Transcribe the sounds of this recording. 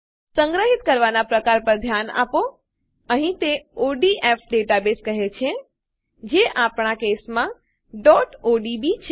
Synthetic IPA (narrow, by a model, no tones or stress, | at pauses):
sə̃ŋɡɾəɦit̪̚kəɾʋanapɾəkaɾpəɾd̪ʱjana̰po | əɦĩt̪eoɖiʔepʰɖeʈabeskəɦet͡ʃʰẽ | d͡ʒeʔapɳ̃akesmã | ɖɔʈoɖibit͡ʃʰe